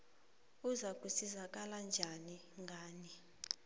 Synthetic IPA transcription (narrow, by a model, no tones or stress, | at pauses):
uzakʼusizak̬ʼaland͡ʒʱani | ŋɡʱaːni